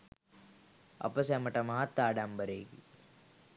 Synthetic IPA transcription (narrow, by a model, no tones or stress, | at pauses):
ɐ̰pɐsɐmɐʈɐmaɦɐt̪ːaːɖaːmbɐɾeːɡi